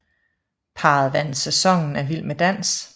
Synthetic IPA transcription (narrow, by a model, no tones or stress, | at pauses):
pʰɑ̈ð̩ˠʋæn̰̩sesɒ̽ŋ̰n̩æɐʋil̰med̥æn̰s